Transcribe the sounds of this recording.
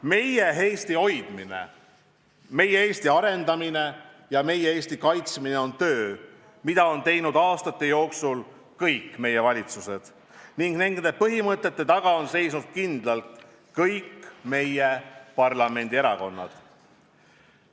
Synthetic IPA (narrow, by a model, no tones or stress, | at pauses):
me̞jeɦe̞jst̪io̞jd̪̥minḛ | me̞jeeːst̪iɑɾe̞nd̪ɑmine̞jɑme̞jeeːst̪ikɑjt̪smine̞o̞nt̪ø̞ː | mid̪ɑo̞nt̪e̞jnud̪ɑːst̪ɑt̪ːˑe̞jo̞ːksul | kɤjkːˑme̞je̞vɑlʲit̪suse̞d̪̥ | niŋɡ̥ne̞ŋɡ̥d̪epɤɦimɤt̪ˑːe̞t̪ːe̞t̪ɑɡ̥ɑo̞nse̞jsnud̪̥̚kind̪̥lɑlt̪ | kɤjkːme̞jepɑrlɑme̞nʲd̪ie̞ɾɑko̞nːɑ̰d̪̥